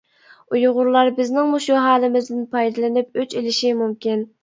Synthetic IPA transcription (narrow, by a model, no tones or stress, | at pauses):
ujʁʊɾlˠɑɾbɪznɪŋmuʃuɦɑːlˠɨmɪzd̪ɪnpʰɑjd̪ɨlˠɨnɪp̚øt͡ʃelɪʃimumkʲin